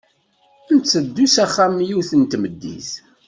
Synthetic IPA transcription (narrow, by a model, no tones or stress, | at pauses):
ənt͡sːəd̪ːusæχːæmjuθənt̪məd̪ːḭθ